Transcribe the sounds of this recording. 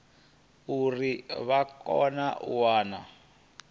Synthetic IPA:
uriβakɔ̰naʔuwaːna

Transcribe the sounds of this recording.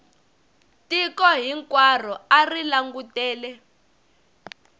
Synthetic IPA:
tikɔɦiŋkwar̤ɔarilaŋɡutɛːlɛ

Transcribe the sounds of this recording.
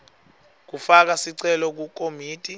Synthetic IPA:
k̬ufak̬asiǀɛlɔk̬uk̬ʼomiːtʼi

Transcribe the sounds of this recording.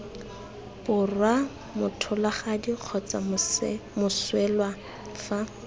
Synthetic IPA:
bʊrwa | mʊtʰʊlaχadiq͡χʰɔt͡sa̰mʊswɛlwa | fa

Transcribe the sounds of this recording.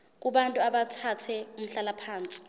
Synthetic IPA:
k̬ʼuɓantʼuaɓatʰatʰɛum̩ɬalapʰaːnt͡sʼi̥

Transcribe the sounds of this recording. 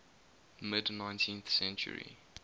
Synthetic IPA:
mɪdnãɪ̃ntʰĩnθsɛ̃nt͡ʃṵɹḭ

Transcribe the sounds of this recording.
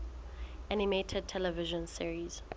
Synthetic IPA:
ʔanimetʰɛd̚tʰɛlɛvɪʒɔ̃nsiɹiz̥

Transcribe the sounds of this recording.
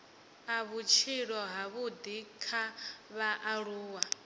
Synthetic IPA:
aβut͡ʃʰiɺɔɦaβud̪ikʰaβaʔaɺuːwa

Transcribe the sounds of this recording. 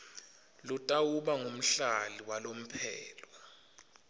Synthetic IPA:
lutʼawuɓaŋom̩ɬaliwalom̩pʰɛːlwa

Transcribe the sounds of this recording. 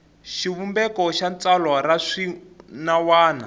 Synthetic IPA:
ʃiβumbɛkɔʃant͡salwaɾaʂinawaːna̰

